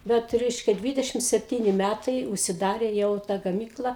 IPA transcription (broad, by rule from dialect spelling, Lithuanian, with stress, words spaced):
ˈbʲɛt ˈrʲɛɪʃʲkʲɛ ˈdʲʋʲɪdʲɛʃʲɪm sʲɛpʲˈtʲiːnʲɪ ˈmʲætɐɪ ʊʃʲsʲɪˈdɑːrʲeː ˈjɛʊ ˈtɐ ɡɐˈmʲiːklˠɐ